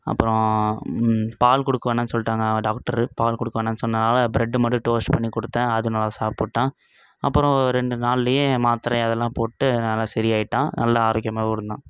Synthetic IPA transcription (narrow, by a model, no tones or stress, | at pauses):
ɐ̰pːɯɾɔ̃ | paːlkɔɽɯkːɐʋɐːɳɐnːɯsɔlːʈaːŋɡɐɖaːk̚ʈɐɾɯpaːlkɔɽɯkːɐʋɐːɳɐnːɯsɔnːɐnaːlɐbɾɛɖːɯmɐɽɯʈoːsʈpɐɳːikɔɽɯt̪ːɛ̃ːɐðɯnɐːlːasaːp̚poʈːãː | ɐpːɯɾɔ̃ɔɾɯɾɛɳɖɯnaːlːɐjemaːt̪ɪɾɐ̃ɐðɛlːãːpoːʈːɯnɐlːasɛɾɪjaːjɪʈːãːnɐlːɐaːɾoːk̬ɪjɐmaːkɔɾɯnd̪ãː